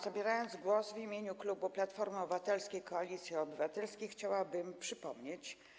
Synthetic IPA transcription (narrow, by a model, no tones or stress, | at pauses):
z̥abʲjɛɾajɔnd̪zɡwɔsvimʲjeɲuklubuplat̪fɔɾmɔbɘvat̪ɛlskʲejkɔalʲit̪sʲjiɔbɘvat̪ɛlskʲejxt͡ɕawabɘmpʂɘpɔmɲet͡ɕ